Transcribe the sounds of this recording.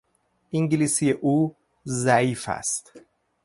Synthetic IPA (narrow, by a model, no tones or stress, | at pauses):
ʔiŋɟilisijeʔuː | zæiːfæ̰st̪